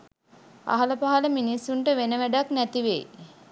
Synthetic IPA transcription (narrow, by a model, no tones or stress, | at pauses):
a̰ɦɐləpaɦaləminisːuɳʈəʋenəʋæɖaknæt̪iʋej